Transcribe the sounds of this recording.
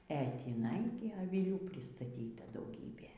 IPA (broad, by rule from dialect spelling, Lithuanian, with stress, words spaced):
ɛ tʲiːˈnɐɪ ɡʲɪ ɐʋʲɪˈlʲuː pʲrʲɪstɐˈtʲiːtɐ dɐʊˈɡʲiːbʲeː